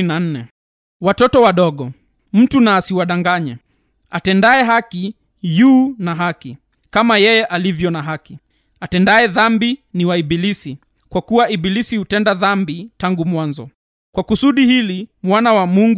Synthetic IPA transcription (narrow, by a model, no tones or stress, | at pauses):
nanɛ | watɔtɔwaɗɔɠɔ | m̩tunaːsiwaɗaŋɡaɲɛ | atɛndaɛɦaki | juːnaɦaki | kamajɛjɛʔalivjɔnaɦaki | atɛndaɛðambiniwaiɓilisi | kwakuwaiɓilisihutɛndaðambitaŋɡumwanzɔ̰ | kwakusuɗihilimwanawamuŋɡ